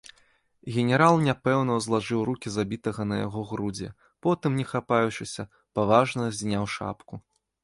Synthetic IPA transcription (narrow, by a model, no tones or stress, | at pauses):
ɣʲɛnʲɛɾalˠnʲapɛwn̪ɐwzlˠaʐɨwɾukʲizabʲit̪ɐɣɐnɐja̰ɣɔɣɾud͡zʲɛ̰ | pɔt̪ɨmnʲɛxapajut͡ʂɨsʲɐ | pavaʐnɐzʲnʲawʂa̰pku